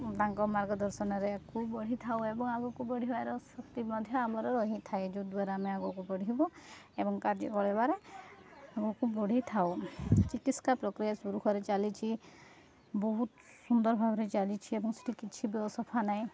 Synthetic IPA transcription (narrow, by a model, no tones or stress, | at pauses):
d̪aŋkɔmaɾɡɔd̪ɔɾsɔnɔɾekubɔɽ̤it̪ʰawebɔŋaɡɔkubɔɽ̤ibaɾɔsɔkt̪imɔd̪ʱjɔamɔɾɔɾɔɦit̪ʰaed͡ʒud̪waɾaameaɡɔkubɔɽ̤iɦbɔ | ebɔŋkaɾd͡ʒḭkɔɭebaɾe | aɡɔkubɔɽ̤it̪ʰawt͡ʃikit̪skapɾɔkɾijasuɾukʰɔɾet͡ʃalit͡ʃʰi | bɔɦut̪ | sund̪ɔɾɔbʱabʱɔɾet͡ʃalit͡ʃʰiebɔŋse̥ʈʰikit͡ʃʰibjɔsɔpʰanaj̃